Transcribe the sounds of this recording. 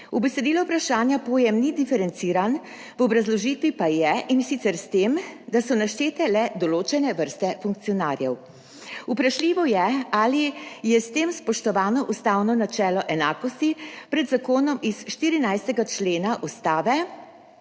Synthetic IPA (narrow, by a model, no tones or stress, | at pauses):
ubɛsɛd̪iːlɔupɾaʃaːnjapoːjɛmnid̪ifɛɾɛnt̪siːɾan | ʋɔbɾazlɔʒiːt̪ʋipajɛʔinsit̪sɛɾst̪eːmd̪asɔnaʃt͡ʃeːt̪ɛlɛd̪ɔloːt͡ʃɛnɛʋəɾst̪ɛfuŋk̪̚sijɔnaːɾjɛw | upɾaʃliːʋɔjɛaːlijɛst̪eːmspɔʃt̪ɔʋaːnɔʔust̪aːwnɔnat͡ʃɛːlɔʔɛnaːkɔst̪ipɾɛd̪zakoːnɔmisʃt̪iːɾinajst̪ɛɡat͡ʃleːnaʔust̪aːʋɛ